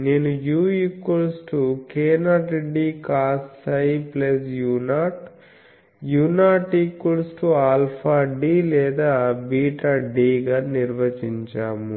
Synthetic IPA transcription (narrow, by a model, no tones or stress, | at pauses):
neːnujuːikːulsʈukɛːnaːʈeɖiːkaːssɐjplesjuːnaːʈ | juːnaːʈikːulsʈuaːlpʰaːɖiːlɛːd̪aːbiːʈaɖiːɡaːniɾʋɐt͡ʃiɲt͡ʃaːmu